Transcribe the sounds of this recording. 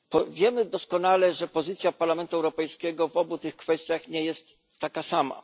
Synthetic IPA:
pɔvʲjɛmɘd̪ɔskɔnalɛʐɛpɔzɘt̪sʲjapaɾlamɛnt̪uɛwɾɔpɛjskʲɛɡɔvɔbut̪ɘxkfɛst̪ʲjaxɲɛjɛst̪ː | akasama̰

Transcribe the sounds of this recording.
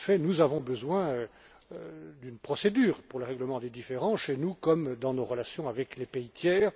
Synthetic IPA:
fɛnuzavɔ̃bəzwɛ̃ø | d̪ynpχɔsed̪yːʁpuʁləʁɛɡləmɑ̃d̪ed̪ifeʁɑ̃ʃenukɔmd̪ɑ̃noʁəlasjɔ̃avɛklepeit̪jɛːʁ

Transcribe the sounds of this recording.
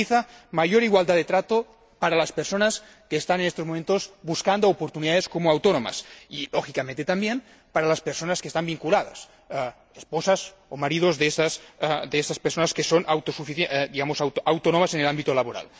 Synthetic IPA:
iθamaʝoɾiɣwald̪aðet̪ɾat̪o | paɾalaspeɾsonas | keːst̪anenest̪ozmoment̪ozbuskand̪oopoɾt̪uniðaðeskomoawt̪onoma̰siloxikamẽnt̪et̪ambjen | paɾalaspeɾsonaskest̪ambiŋkulaða̰s | esposas | omaɾið̞ozðesasd̪eesaspeɾsonaskesonawt̪osufiθd̪iɣamosawtawt̪onomasenelambit̪olaβoɾa̰l

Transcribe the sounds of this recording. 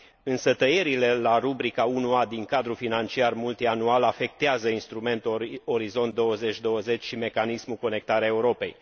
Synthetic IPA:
ɨnsət̪əje̞ɾile̞laɾubɾikaunuad̪iŋkad̪ɾufinant͡ʃiarmult̪ianualafe̞k̚t̪eazəinst̪ɾume̞nt̪o̞ɾizo̞nt̪̚d̪o̞wəze̞t͡ʃʲd̪o̞wəze̞t͡ʃʲʃime̞kanismuko̞ne̞k̚t̪aɾeaeuɾo̞pe̞̰j

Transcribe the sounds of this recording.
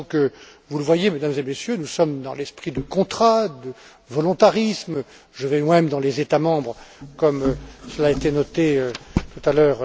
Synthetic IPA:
ɔ̃kə | vuləvwajemed̪amzemesjønusɔmd̪ɑ̃lɛspχid̪əkɔ̃t̪χad̪ə | vɔlɔ̃t̪aʁism | ʒəvɛmwamɛmd̪ɑ̃lezet̪amɑ̃bʁkɔmøsəlaet̪enɔt̪eøt̪ut̪alœːʁ

